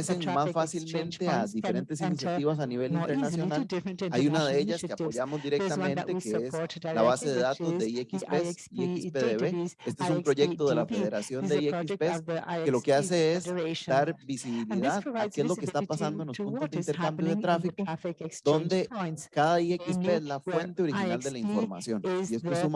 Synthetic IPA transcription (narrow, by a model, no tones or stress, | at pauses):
seŋmasfasilmẽnt̪eaðife̞ɾe̞nt̪e̞s̬inisjat̪iβas̬aniβe̞lint̪e̞ɾnasjo̞nalajunaðeeʝaskeapo̞ʝamozd̪iɾek̚t̪amẽnt̪e̞keeslaβase̞ðeðat̪o̞zd̪e̞iekispes | iekispeðeβee̞st̪o̞es̬umpɾo̞ʝe̞k̚t̪oðe̞lafe̞ðe̞ɾasjo̞nd̪eiekispeske̞lo̞kease̞esd̪aɾbisiβiliðaðakeezlo̞kest̪apasand̪oenlospunt̪ozd̪int̪e̞ɾkambjoð̞et̪ɾafikod̪̥o̞nd̪e̞kaðaiekispeezlafwe̞nt̪eoɾixinald̪e̞laiɱfo̞ɾma̰sjo̞nie̞st̪oesum